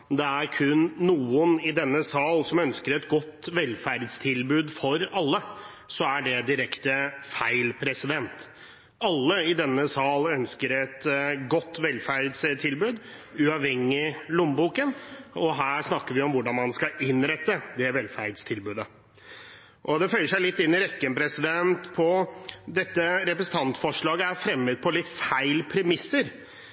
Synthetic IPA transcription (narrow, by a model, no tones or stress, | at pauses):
d̪ɛæɾkʰʉnːuːənɪd̪ɛnːəsɑːlsɔmœnskəɾɛt̪ɡɔt̪ːʋɛlːfæɾd̪st̪ʰɪlbʉːd̪fɔɾɑlːə | sɔæɖɛd̪ɪɾɛkt̪əfæɪlpʰɾɛsɪd̪ɛnt̪ | ɑlːəɪd̪ɛnːəsɑːlœnskəɾɛt̪ɡɔt̪ːʋɛlfæɾd̪st̪ʰɪlbʉːd̪ | ʉɑʋhɛŋːɪlʊmbuːkənɔɦæːʂnɑkːəɾʋɪɔmʋʊɖɑnmɑnskɑɪnɾɛt̪ːəd̪ɛʋɛlfæd̪st̪ʰɪlbʉːd̪ə | ʔɔd̪ɛfœʏəʂæɪlɪt̪ːɪnːɪɾɛkːənpʰɾɛsɪd̪ɛnt̪pʰɔd̪ɛt̪ːəɾɛpɾəsən̩t̪ʰɑnt̪fɔʂɭɑːɡəæɾfɾɛmːəd̪̚pʰɔlɪt̪ːfæɪlpʰɾɛmɪsːəɾ